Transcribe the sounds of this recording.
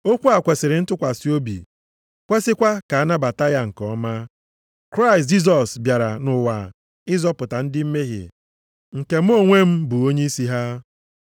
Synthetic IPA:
o˦kʷu˦a˨kʷe˨sɪ˨ɾɪ˨n̩˦tʊ˦kʷa˨si˦o˦bḭ˨ | kʷe˦sɪ˦kʷa˦ka˨a˦na˦ba˨ta˦ja˦ŋ̩˨kɔ˦ma˦ | kɾa˦ɪ˨st̬̚d͡ʒi˦s̬ɔ˨sbja˨ɾa˨nʊ˨wa̰˨ | ɪ˦zɔ˦pʊ˨ta˨n̩˦dɪ˦m̩˦me˦ɦɪ̰˨ | ŋ̩˨ke˨m̩˦o˦ŋʷe˦m̩˦bu˨o˦ɲe˦i˦si˦ɦa˦

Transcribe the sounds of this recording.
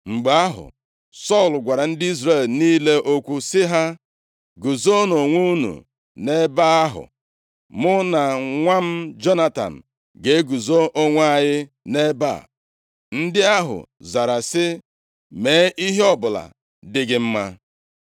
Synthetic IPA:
ŋ͡m̩˨ɡ͡ba˦ɦʊ̰˨ | sɔ˦˨lɡʷa˨ɾa˨n̩˦dɪ˦i˦zɾe˦˨lniː˦le˦ʔo˦kʷu˦sɪ˦ɦa˦ | ɡu˨zo˦no˨ŋʷu˦u˦nṵ˨ | ne˦ba˦a˦ɦʊ̰˨ | mʊ˦na˨ŋʷa˦m̩˦d͡ʒɔ˦na˦ta̰˨n̩˨ | ɡe˨˦ɡu˨zo˦ʔo˦ŋʷ˦a˦ɲɪ˦ | ne˦ba̰˦˨ | n̩˦dɪ˦a˦ɦʊ̰˨za˨ɾa˨sɪ˦ | me˨˦ʔi˦ɦe˦ɔ˦bʊ˨la̰˨ | dɪ˦ɡɪ˦m̩˦ma˦

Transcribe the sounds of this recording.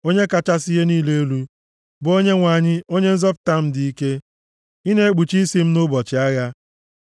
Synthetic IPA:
o˦ɲe˦ka˨t͡ʃa˦sɪ˦je˦niː˦le˦e˦lu˦ | bo˦ɲe˦ŋʷa˨ɲɪ˦o˦ɲe˦n̩˦zɔ˦p̚ta˦m̩˦dɪ˨i˦ke˦ | i˦ne˦e˦ɡ͡bu˨t͡ʃi˦si˦m̩˦nʊ˦bɔ˨t͡ʃɪ˨a˦ɣa˦

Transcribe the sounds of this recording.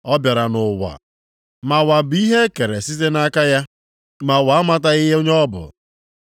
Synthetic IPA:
ɔ˦bja˨ɾa˨nʊ˨wa̰˨ | ma˨wa˨bi˦ɦe˦ke˨ɾe˨si˦ze˦na˦ka˦ja˦ | ma˨wa˨a˦ma˦ta˦ɪ˦ɦe˦o˦ɲ˦ɔ˦bʊ̰˨

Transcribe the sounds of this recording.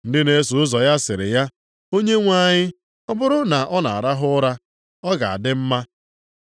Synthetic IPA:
n̩˦dɪ˦ne˨˦su˨˦ʊ˦zɔ˨ja˦sɪ˨ɾɪ̰˨ja˦ | o˦ɲe˦ŋʷa˦˨ɲɪ˦ | ɔ˦bʊ˦ɾʊ˦na˨ʔɔ˦na̰˨a˨ɾa˦ɦʊ˦ɾa˦ | ɔ˦ɡa̰˨a̰˨dɪ˦m̩˦ma˦

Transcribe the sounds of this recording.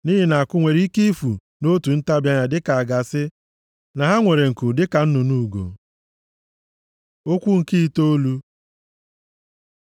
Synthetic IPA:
ni˦ɦi˨na˨a˨kʊ˦ŋʷe˨ɾi˦i˦ki˦fu˨ | no˦tu˨n̩˦ta˦bja˦ɲa˨dɪ˦ka˨a˨ɡa˨sɪ˦ | na˨ɦa˦ŋʷe˨ɾe˨ŋ̩˨ku˨dɪ˦ka˨n̩˦nʊ˨nu˦˨ɡo̰˨ | o˦kʷu˦ŋ̩˨ki˦i˦to˦lu˦

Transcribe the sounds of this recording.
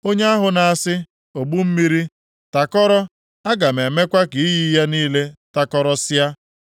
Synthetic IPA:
o˦ɲe˦a˦ɦʊ˨na˨sɪ˦ | o˨ɡ͡bu˦m̩˦mi˦ɾi˦ | ta˨kɔ˦ɾɔ˦ | a˦ɡa˨me˨me˦kʷa˦ki˨i˦ji˦ja˦niː˦le˦ta˨kɔ˦ɾɔ˦sɪ˦a˦

